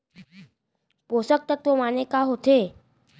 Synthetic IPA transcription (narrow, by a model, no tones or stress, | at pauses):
posək̚t̪ət̪ʋomanekaɦot̪e